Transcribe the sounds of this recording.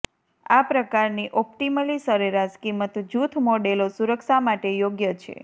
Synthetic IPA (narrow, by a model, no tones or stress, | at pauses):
apɾəkaɾniʔɔpʈiməlisəɾeɾaskimət̪d͡ʒut̪ʰmoɖelosuɾəkʃamaʈejoɡjət͡ʃʰḛ